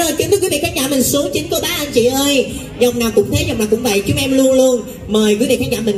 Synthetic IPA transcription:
oː˨˩jki˧˦t̪ɨ˦˥kwi˨˦vi˧˨˩kaː˦˥n̚zaː˧˩mï˨˩ŋ̟su˨˦əŋt͡ɕi˨˦nko˧˦t̪aː˨˦ʔə˧nt͡ɕḭ˧˩ʔəː˧j | zə˨˩wŋ͡mnaː˨˩wkʊ̰˧˥ŋ͡mt̪ʰe˨˦zɔ˨˩wnaː˨˩kʊ̰˧˥ŋ͡mvə̰˧˨jt͡ɕʊ˨˦ʔɛ˧mlu˧ənlu˧ən | məː˨˩jkwvḭ˧˨˩kaː˦˥nzaː˧˩mï˨˩ŋ

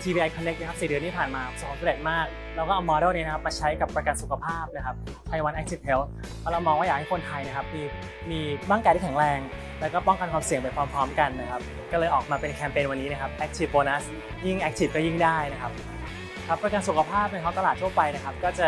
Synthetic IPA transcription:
tʰi˧iː˧ʔa˧jkʰɔ˧nːe˦˥k̚na˥kʰa˦˥psiː˨˩dɯ˧əniː˥˩pʰaː˨˩nmaː˧so˨˩kːoː˨˥t̪ʰːe˨˩t̪̚maː˥˩k̚ | lɛː˦˥wkɔː˥˩ʔa˧wmɔː˧ɾoː˥˩ni˦˥na˦˥kʰa˦˥pːmaː˧t͡ɕʰa˦˥jka˨˩pːɾa˧ka˧nsu˨˩kʰa˧pʰaː˥˩p̚na˦˥kʰa˦˥p̚ | p̪ʰa˧jwa˧nʔɛ˦˥k̚tʰi˦˥˩p̚he˦˥wʰ | ɔ˦˥la˧wmɔː˧ŋwaː˥˩aː˨˩k̚ha˥˩kʰo˧nt̪ʰa˧jna˥kʰa˦˥p̚miː˧ | miː˧ba˥˩ŋkaː˧t̪i˥˩kʰɛ˩˦ŋɾɛː˧ŋ | lɛː˦˥kɔː˥˩pɔ˥˩ŋka˧nkʰwaː˧msi˨˩əŋpe˧nkʰwaː˧mpʰɾɔː˦˥mka˧nːa˦˥kʰa˦˥p̚ | kɔː˥˩lɤː˧jʔɔː˨˩k̚maː˧pe˧nkʰɛː˧mpeː˧nwa˧nːiː˦˥na˥kʰa˦˥p̚ʔɛ˦˥k̚t̪ʰi˦˥˩p̚boː˧na˦˥˩s | ji˥˩ŋʔɛ˦˥k̚t̪ʰi˨˩p̚kɔː˥˩ji˥˩ŋdaː˥˩jna˦˥kʰa˦˥p̚ | kʰa˦˥pːɾa˧ka˧nsu˨˩kʰa˧pʰaː˥˩p̚na˧˥kʰɔ˦˥t̪a˧laː˨˩t̪̚ʰu˥˩ɐpa˧jna˦˥kʰa˦˥p̚kɔː˥˩t͡ɕa˨˩

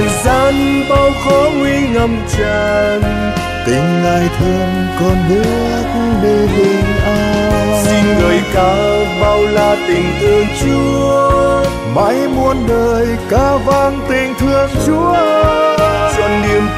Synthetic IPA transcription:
zaː˧˩nɓa˧wxɔ˨˦ŋwi˧ŋə˧mt͡ɕaː˧˩n | t̪ï˨˩ŋ̟laː˧˩jt̪ʰə˧əm | kɔ˧˩nɗɨ˧˦˥ | k̚ɗi˧˩vi˨˧˩ŋ̟ʔaː˧si˧ŋɣəː˨˩jkaː˨˩ɓa˧wlaː˧˩t̪ï˨˩ŋ̟t̪ɨ˧əŋt͡ɕu˧ə | ma̰˧˥jmu˧ənɗəː˨˩jkaː˧˦vaː˧ŋt̪ï˨˩ŋ̟t̪ʰɨ˧əŋt͡ɕu˨˦əʔ | zɔ˧˩nni˨˧˩əm

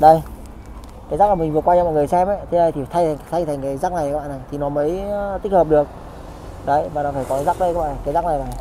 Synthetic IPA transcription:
ɗə˧˩j | kaː˨˦za˦˥k̚la˨˩mi˨˩ŋ̟vɨ˨˩tkwaː˧t͡ɕa˧mɔ̰˧˨jŋɨ˨˩ə˩jsɛ˧mə˨˦jt̪ʰe˨˦ɗə˧jt̪i˨˩˨t̪ʰa˧jʰt̪ʰa˧jŋt̪ʰa˨˩ŋkaː˨˦jzaː˦˥k̚na˨˩jkaː˨˦ɓa̰ː˧˨na˨˩jt̪ʰi˨˩nɔ˨˦mə˨˦jt̪i̟˦˥həː˨˩p̚ɗɨ˨˩ək̚ | ɗə˨˧˩jvaː˨˩nɔ˨˦faː˧˩jkɔ˨˦za˦˥k̚ɗə˧kaː˨˦ɓa̰˧˨n˨˩kaː˨˦jzaː˦˥k̚na˨˩jla˨˩

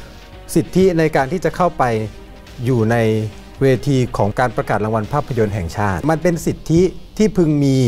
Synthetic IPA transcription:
si˨˩t̪ʰːi˦˥na˧jkaː˧nt̪ʰiː˥˩t͡ɕa˨˩kʰa˥˩wpa˧jː | uː˨˩na˧j | weː˧t̪ʰiː˧kʰɔː˩˦ŋkaː˧npɾa˧kaː˨˩t̪̚ɾa˧ŋwa˧npʰaː˥˩pʰːa˧jo˧nɦɛ˨˩ŋt͡ɕʰaː˥˩t̪̚ma˧npe˧nsi˨˩t̪ʰːi˦˥t̪ʰiː˥˩pʰɯ˧ŋmiː˧

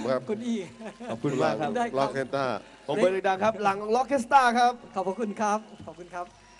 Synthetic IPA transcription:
kʰa˦˥kʰu˧nʔiː˧˩˨p̚kʰu˧la˨˩˦ŋ˦˥aː˥˩lɔ˦˥˩kːe˧nt̪aː˥˩ | o˨˦˧pa˧d̪ɯ˨˩da˧˩ŋkʰa˦˥p̚la˨˩˦ŋlɔ˦˥kʰːe˦˥s̬t̪aː˥˩kʰa˦˥p̚kʰɔ˨˩pʰːɔ˦˥kʰu˧nkʰa˦˥p̚ʰɔ˨˩kʰu˧nkʰa˦˥p̚

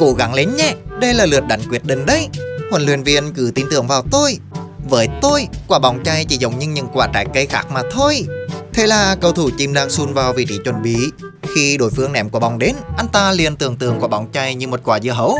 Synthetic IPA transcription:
ko̰˧˥ɣa˨˦ŋle˨˦nɲɛː˧˦ɗə˧jlaː˨˩lɨ˨˩ət̚ɗa˨˦jŋ̟kwi˨˥ət̚ɗï˧˨ŋ̟ɗə˧jhwə˨˩nlwi˨˩ənvḭ˧˩ənkɨ˧˩t̪i˨˦nt̪ɨ˧˩əŋvaː˨˩wt̪o˧jvəː˨˦jt̪o˧jkwaː˧˩ɓa˧˩wŋ͡mt͡ɕa˧jt͡ɕḭ˧˩˦zə˨˧˩wŋ͡mɲɨ˧ɲɨ̰˧˥˦ŋkwaː˧˩t͡ɕa̰ː˧˦jkə˧jxaː˦˥k̚maː˨˩t̪ʰo˧jt̪ʰe˧˦laː˨˩kə˧wt̪ʰu˧˩t͡ɕi˧mɗaː˧ŋsu˧nvaː˨˩wvḭ˧˩t͡ɕḭ˧˨˩t͡ɕwə˨˩nɓḭ˧˨ | xi˧ɗo˧˦jfɨ˧əŋnɛ̰˧˩mku˧˩əɓa˨˩wŋ͡mɗe˨˦nʔa˧jŋ̟t̪aː˧li˨˩ənt̪ɨ˨˧˩əŋt̪ɨ̰˨˧˩əŋku˧˩əɓa˧˩wŋ͡mt͡ɕa˧jɲɨ˧mo˨˩t̚kwaː˨˩zɨ̰˧˨əɦə˧˦w

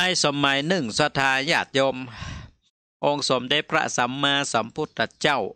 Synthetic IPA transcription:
aː˧jso˨˦mːa˨˦jnɯ˨˩ŋsa˧t̪ʰaː˧jaː˧˩t̪̚jo˧m | ʔo˧ŋso˨˦mdeː˧˩pʰɾa̰˧˥sa˨˦mːaː˧sa˨˦mpʰu˧˥˩t̪ːa˧t͡ɕa˥˩˨w

